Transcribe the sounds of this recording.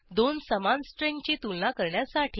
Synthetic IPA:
d̪onsəmansʈɾẽŋɡt͡ɕit̪ulnakəɾɳjasaʈʰi

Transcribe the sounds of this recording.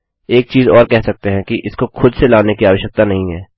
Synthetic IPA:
eːk̚t͡ʃiːzɔːɾkɛɦsɐk̚t̪eɦɛ̃kiʔɪskoxʊd̪selaːnekiaːʋəʃjək̚t̪anɐɦĩɦɛː

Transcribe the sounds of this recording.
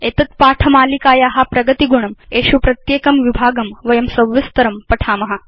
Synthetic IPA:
eːt̪ɐt̪̚paːʈʰɐmaːlikaːjaːɦɐpɾɐɡɐt̪iɡuɳɐmeːʃupɾɐt̪jeːkɐmʋibʱaːɡɐmʋɐjɐmsɐwʋɐst̪ɐɾɐmpɐʈʰaːmɐɦɐ

